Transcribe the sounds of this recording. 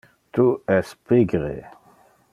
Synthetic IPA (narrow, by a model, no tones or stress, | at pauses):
t̪uɛspiɡʁḛ